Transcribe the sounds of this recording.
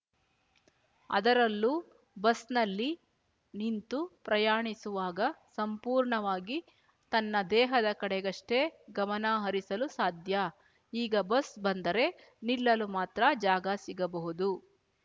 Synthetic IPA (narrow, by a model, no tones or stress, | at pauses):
ɐ̰d̪ɐɾɐlːu | bɐsnɐlːi | nint̪upɾɐjaːɳisuʋaːɡɐsɐmpuːɾɳɐʋaːɡi | t̪ɐnːɐd̪ɛːɦɐd̪ɐkɐɽɛɡɐʂʈe̞ɡɐmɐnɐɦɐɾisɐlusaːd̪ʱjɐ | iːɡɐbɐsbɐnd̪ɐɾe̞ | nilːɐlumaːt̪ɾɐd͡ʒaːɡɐsiɡɐbɐɦud̪u